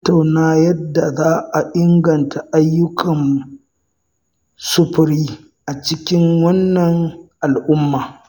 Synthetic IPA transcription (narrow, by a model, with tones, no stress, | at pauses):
tːa˨wnaː˦jɐ˦dːa˨zaː˦ʔa˨ʔɪ˦ŋɡɐ˨ntʰa˨ʔa˦jːʊ˦kʰɐ˨n | sʊ˦ɸɪ˨ɾiː˦ | ʔa˨t͡ʃɪ˦kʲɪ˦ŋwɐ˦nːɐ˨ŋʔa˨lʔʊ˦mːaː˨